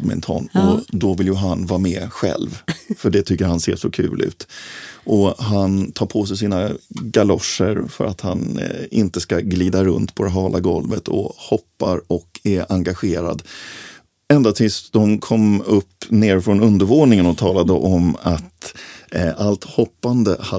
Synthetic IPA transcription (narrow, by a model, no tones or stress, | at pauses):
d̪mɛ̰nt̪ʰɑ̰ːnɔd̪ɔvɪljɵɦanvɑːɾamɛːɧɛ̰lvfœɖɛt̪ʰʏkːəɾhanseːʂɔkʰʉ̟ːlʔʉ̟̰ːt̪ʔɔɦant̪ʰɑːɾpʰos̬ɛjs̬iːnaɡalɔʂəɾfœ̰ɾat̪hanɪnt̪əskaɡliːd̪aɾɵnt̪pʰɔd̪ɛɦɑːlʔaɡɔlvət̪ʰɔ̰hɔpːaɾɔkɛɾʔaŋɡaɧeːɾa̰d̪ | ɛnd̪at̪ʰɪsd̪ɔmkʰɔmɵpːneːɾfɾɔnɵnd̪əɾvoːnɪŋənɔt̪ʰɑːlad̪əʔɔmat̪ | ʔalt̪hɔpːand̪ə̰ha